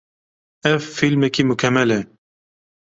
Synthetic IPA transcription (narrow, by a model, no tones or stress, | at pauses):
ɛvfilmɛkiːmukʰɛmɛlɛ